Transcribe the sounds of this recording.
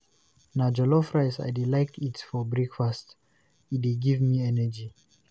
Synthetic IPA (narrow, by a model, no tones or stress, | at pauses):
nad͡ʒɔlɔfɹaɪsa̰jdilaɪktitfɔbɹɛkfast | idiɡivmiɛnəd͡ʒi